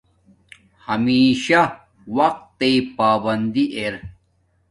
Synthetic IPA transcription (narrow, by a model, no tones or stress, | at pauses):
hɐmiːɕɐ | wɐq̚t̪ːepaːbɐnd̪iʔeɾ